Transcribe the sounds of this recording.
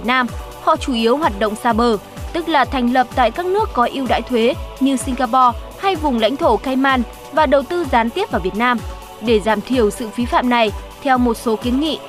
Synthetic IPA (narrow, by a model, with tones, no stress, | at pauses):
t̚naː˧m | hɔ̰˧˨t͡ɕu˧˩ʔi˨˦əwɦwaː˨˩t̚ɗo̰˧˨wŋ͡msaː˧ɓəː˨˩ | t̪ɨ˦˥k̚laː˨˩t̪ʰɛ˨˩jŋ̟lə˨˩p̚t̪a̰ː˧˨jkaː˦˥k̚nɨ˦˥əkːɔ˨˦ʔi˧əwɗa̰ː˧˥jt̪ʰwe˨˦ɲɨ˧si˧ŋ̟ɣaː˧pɔ˧ | ha˧jvʊ˨˩ŋ͡mla̰˧˥jŋ̟t̪ʰo˧˩kaː˧jmaː˧n | vaː˨˩ɗə˨˩wt̪ɨ˧zaː˨˦nt̪i˦˥əp̚vaː˧˩vət̚naː˧m | ɗe˧˩zaː˧˩mt̪ʰi˨˧˩əwsɨ̰˧˨fi˨˦fa̰ː˧˨mna˨˩jt̪ʰɛ˧wmo˨˩t̚so˨˦ki˨˦ənŋḭ˧˨